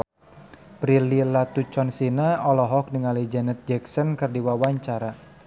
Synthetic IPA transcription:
pɾililat̪ut͡ʃɔnsinaɔlɔɦɔk̚niŋalid͡ʒanət̪̚d͡ʒɛksɔnkɨrdiwawaɲt͡ʃaɾa

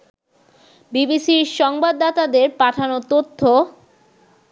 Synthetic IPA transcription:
bibisiɾʃɔŋbad̪ːat̪ad̪eɾpaʈʰanot̪ot̪ʰːo

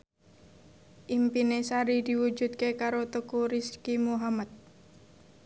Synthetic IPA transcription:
ʔimpinesaɾid̪iwu̥d͡ʒut̪̚kekaɾot̪ukuɾiskimuɦamat̪̚

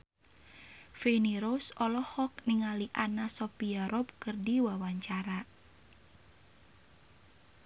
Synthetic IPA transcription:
feniɾosɔlɔhɔk̚niŋaliʔanasɔpiaɾɔb̚kɨrdiwawaɲt͡ʃaɾa

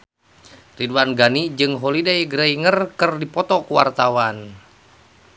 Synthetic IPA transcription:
riduanɡanid͡ʒɨŋɦɔlidajɡɾaiŋərkɨrdipɔt̪ɔkuwa̰rt̪awan

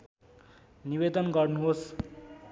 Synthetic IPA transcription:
nibed̪ʌnɡʌrnuɦos

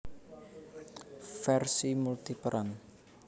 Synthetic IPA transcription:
fɛrsimult̪ipəɾʔan

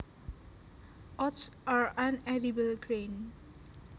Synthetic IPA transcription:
ɔtsaɹãnɛɾibəlɡɹẽn

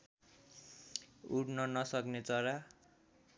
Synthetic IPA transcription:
uɽnʌnʌsʌknet͡sʌɾa

